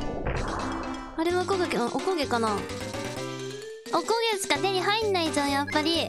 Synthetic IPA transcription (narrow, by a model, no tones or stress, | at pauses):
aɾemookoɡekɯ̃ʔokoɡe̞kana | okoɡe̞sɨ̥kat̪eɲ̟iɦainːaitõjapːaɾʲi